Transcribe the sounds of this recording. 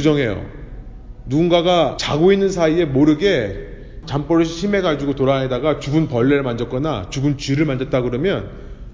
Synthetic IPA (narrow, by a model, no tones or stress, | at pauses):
ud͡ʑʌŋɦe̞jo̰ | nuɡunɡaɡat͡ɕaɡoinːɯnsʰaie̞moɾɯɡe̞ | t͡ɕamp͈ʌɾɯɭɕʰime̞ɡad͡ʑuɡotoɾaɦedaɡat͡ɕuɡunpʌɭːeɾɯɭmand͡ʑʌt̚k͈ʌna̰t͡ɕuɡunt͡ɕiɾɯɭmand͡ʑʌt̚t͈aɡɯɾʌmjʌn